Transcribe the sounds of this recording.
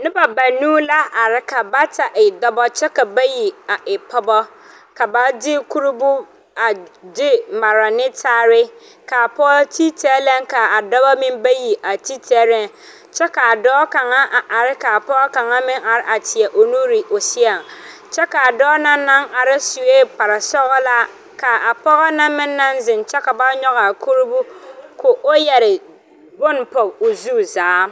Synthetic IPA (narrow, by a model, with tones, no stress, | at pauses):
nɪ̃˦ba˨ba˨nũː˦la˦ʔa˨ɾɪ˦kʰa˨ba˦tʰa˨ʔi˨dɔ˦bɔ˦t͡ɕʰɛ˦ka˨ba˦ji˨a˨ɪ˨pʰɔ˦bɔ˦ | kʰa˨ba˦d͡ʑɪ˦kʰu˦ɾu˦bʊ˦ | a˨d͡ʑɪ˦mã˨ɾa˨nɪ̃˦tʰaː˦ɾɪ˦ | kʰaː˨pʰɔ˦tʰi˦tʰɛː˦lɛ̃˦ŋkʰa˨a˨dɔ˦ba˦mɪ̃˦mba˦ji˨ʔa˨tʰi˦tʰɛ˦ɾɛ̃˦n | t͡ʃɛ˦ka˨a˨dɔː˦ka˨ŋa˦ʔa˨ʔa˨ɾɪ˦ka˨a˨pɔ˦ɡɔ˦ka˨ŋa˦mɪ˦ŋa˨ɾɪ˦ʔa˨tɪ˨ɛ˨ʔo˨nu˦ɾi˨ʔo˨sɪ˦a˨ŋ | t͡ʃɛ˦ka˨a˨dɔː˦na˦nːa˦ŋa˨ɾɪ˦su˨eː˦pa˨ɾa˨sɔ˦ɣɔ˦la˦ | ka˨a˨pɔ˦ɣɔ˦na˦mɪ˦nːa˦nzɪ˨nt͡ʃɛ˦ka˨ba˦ɲɔ˦ɣa˨kʰu˦ɾbu˦ko˨ʔo˦jɛ˨ɾɪ˨ | ɡʊ˦npɔ˨bo˨zu˦zaː˨˦